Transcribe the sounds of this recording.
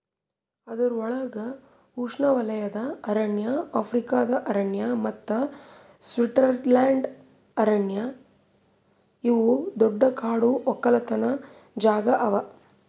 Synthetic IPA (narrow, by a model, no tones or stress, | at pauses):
ɐd̪ɐɾuɔɭɐɡɐ | uːʂɳɐʋɐlɐjɐd̪ɐːɾɐɳjɐaːpʰɾikaːd̪ɐʔɐɾɐɳjɐmɐt̪ːɐ | sʋiʈɐɾlaːɳɖ | ɐɾɐɳjɐ | iʋud̪ɔɖːɐkaːɽuɔkːɐlɐt̪ɐnɐ | d͡ʒaːɡɐʔɐʋɐ